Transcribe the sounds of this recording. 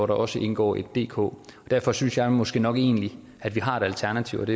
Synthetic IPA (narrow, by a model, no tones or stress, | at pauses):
ɒɾɑ̈ʔɒ̽səʔe̝nɡ̥ɒ̰ːe̝d̥ːe̝̰ːkʰɔ̰ːɒd̥æɐfɒ̽synsjɑ̈ɪmɒ̽sɡ̥e̝̰ːnɒ̽ɡ̥e̝̰ːnəli | æd̥ʋiɦɑ̈e̝d̥ælt͡sʰæɐnæt͡sʰiʊɒd̥e̝